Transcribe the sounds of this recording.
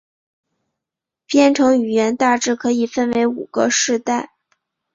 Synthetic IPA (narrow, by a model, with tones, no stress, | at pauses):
pjɛ˥˧nʈ͡ʂʰɤ˧˥ŋy˨˩ɥɛ˧˥nt̪a˥˧ʈ͡ʂɻ̩˥˩kʰɤ˧˥i˨˩fə˥˧nwe˧˥ɪu˨˩ɡə̰˧˦ʂɻ̩˥˧t̪a˥˩ɪ